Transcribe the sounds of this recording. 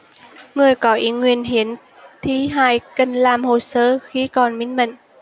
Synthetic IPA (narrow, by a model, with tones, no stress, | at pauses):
ŋɨ˨˩əjkɔ˨˦ʔi˨˦ŋwi˧˩ənɦi˧˦ən | t̪ʰi˨˦ɦaː˧˩jkə˨˧˩ŋlaː˨˩mho˨˩səː˧˦xi˧˦kɔ˨˩nmi˨˧˦ŋmə̰˧˨ŋ